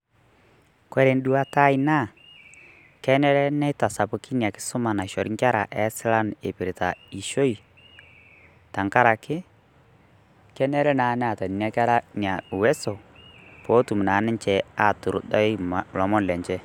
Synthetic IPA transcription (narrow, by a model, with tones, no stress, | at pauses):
kɔ˦ɾe˨n˦du˦wa˦ta˦i˦na˦˨ | kɛ˦nɛ˦ɾɛ˦nɛ˦ta˨sa˨pʊ˨˦ki˦nja˨kɪ̥˦sʊ˦ma˨na˨ʃɔ˨ɾŋkʲa˦ɾa̰˨ʔɛ˦sɪ˦la˦ne˨pɪ˨ɾɪ˨ta˨i˨ʃo˦i˨ | ta˨ŋka˦ɾa˨kɪ˦ | kɛ˦nɛ˦ɾɛ˦na˨˦nɛ˦a˨ta˨ni˨na˦ka˦ɾa˦nja˨wɛ˦so˨po˦tu˨m˨naː˨˦nɪ˦t͡ʃɛ˨a˨tʊ˨ɾʊ̰˨dɔ˦m˨lɔ˨mɔ˦n˨lɛ˨ɲt͡ʃɛ˦